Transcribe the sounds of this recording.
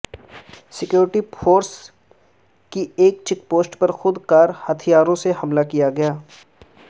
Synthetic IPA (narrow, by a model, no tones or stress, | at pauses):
sɪkjoːɾɪʈifʰoːɾs | kieːk̚t͡ʃɪk̚poːsʈpɐɾxʊd̪kaːɾhɐt̪ʰijaːɾõseɦɐmlakijaɡɐjaː